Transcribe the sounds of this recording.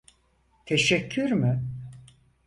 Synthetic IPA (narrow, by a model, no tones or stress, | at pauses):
t̪ʰeʃɛcʰːyɾmʏ